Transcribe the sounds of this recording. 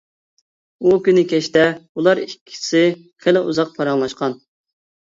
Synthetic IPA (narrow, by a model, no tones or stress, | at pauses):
ukʲynɪkʲɛʃt̪ɛulˠɑɾikʲʰːi̥sɪ | χɪlɪʔuzɑq̚pʰɑɾɑŋlˠɑʃqɑn